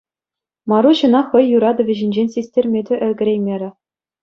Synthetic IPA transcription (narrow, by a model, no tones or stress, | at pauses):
mɑɾuɕɤ̆nɑχɤ̆jːuɾɑd̪ɤ̆ʋʲɘ̆ʑɘ̆nʲd͡ʑenʲsʲisʲtʲerʲmʲedʲɘ̆ʔɘ̆lʲɡʲɘ̆ɾʲejmʲeɾʲɘ̆